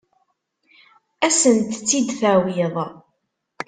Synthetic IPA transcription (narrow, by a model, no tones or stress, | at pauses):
æsənt̪t͡sːid̪θæwiðˤ